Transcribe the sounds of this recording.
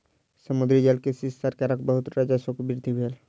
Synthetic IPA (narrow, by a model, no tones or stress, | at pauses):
səmud̪ɾid͡ʒelkesistaɾkaɾakbəɦut̪ɾad͡ʒasokbiɾd̪ʱibʱel